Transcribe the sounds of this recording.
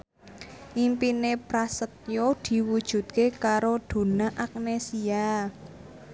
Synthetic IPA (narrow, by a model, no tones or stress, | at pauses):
ʔimpinepɾasət̪̚jod̪̥i̤wud̥ʒ̥ṳt̪̚kekaɾod̪̥o̤naʔak̚nesia